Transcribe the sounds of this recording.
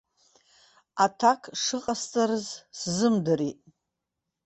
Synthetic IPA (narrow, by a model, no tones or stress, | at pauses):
atʰakʰʂɨqʼast͡sʼaɾɨzszɨmdɨɾiʔʼ